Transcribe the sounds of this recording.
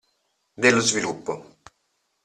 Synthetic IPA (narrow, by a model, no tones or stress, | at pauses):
d̪elːozvilupːo